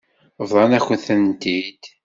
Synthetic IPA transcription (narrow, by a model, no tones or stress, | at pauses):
vðˤɑnæçəθənt̪id̪̥